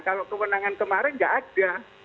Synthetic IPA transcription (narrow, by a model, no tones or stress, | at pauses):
kalokəmənaŋankəmaɾɪnɡaʔad̥a